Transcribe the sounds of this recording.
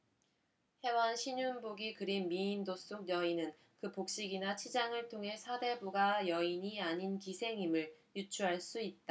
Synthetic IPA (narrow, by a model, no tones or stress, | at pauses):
he̞wanɕʰiɲunboɡikɯɾimmiːndos͈uk̚jʌinɯn | kɯpok̚ɕ͈iɡinat͡ɕʰid͡ʑaŋɯɭtʰoŋɦe̞sʰade̞buɡajʌiɲiaɲinkisʰe̞ŋimɯɭjut͡ɕʰuɦaɭs͈uit̚t͈a